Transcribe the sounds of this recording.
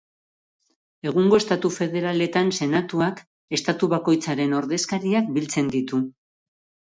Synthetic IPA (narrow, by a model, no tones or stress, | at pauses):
e̞ɣ̞uŋɡo̞est̪at̪ufe̞ðe̞ɾale̞t̪anse̞nat̪uak | e̞st̪at̪uβako̞jt͡saɾe̞no̞ɾðe̞skaɾiak̚bilt͡se̞nd̪it̪u